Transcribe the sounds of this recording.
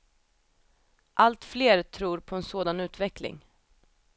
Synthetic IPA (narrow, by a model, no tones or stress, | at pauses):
ʔalt̪fleːɾt̪ʰɾuːɾpʰɔɛnsoːd̪anʉ̟ːt̪vɛklɪ̰ŋ